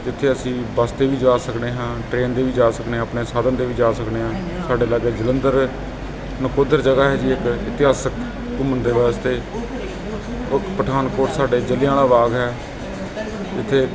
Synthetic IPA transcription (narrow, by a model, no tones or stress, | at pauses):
d͡ʒɪt̪ʰːeːəsĩːbaːst̪eːʋiːd͡ʒaːsəkneːɦãːʈɾeːnd̪eːʋiːd͡ʒaːsəkneːãːpneːsaːd̪ənd̪eːʋiːd͡ʒaːsəkd̪eːɦãː | saːɖeːlaːd͡ʒeːd͡ʒələnd̪əɾ | nəkoːd̪əɾd͡ʒəɡaːɦɛːd͡ʒiːɪkɪt̪ɪɦaːsək | kʊmənd̪eːʋaːst̪eː | ʊkpəʈʰaːnkoːʈsaːɖeːd͡ʒəlɪjãːlaːʋaːɡɦɛː | ɪt̪ʰːeː